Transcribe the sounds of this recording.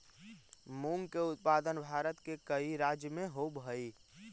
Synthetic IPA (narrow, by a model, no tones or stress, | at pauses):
muŋɡkeʊt̪̚paːd̪ənbʱaːɾət̪kekəiɾad͡ʒjəmẽɦobʱəi